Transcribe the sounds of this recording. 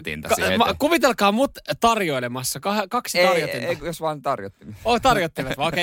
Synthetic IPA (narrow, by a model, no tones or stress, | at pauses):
t̪ḭnt̪kmkuʋit̪elkɑːmut̪t̪ɑrjoilemɑsːɑkɑhkɑksit̪ɑrjoeeijosʋɑːnt̪ɑrjo̰t̪ːimeot̪ɑrjot̪ːiliʋɑt̪ʋɑːoke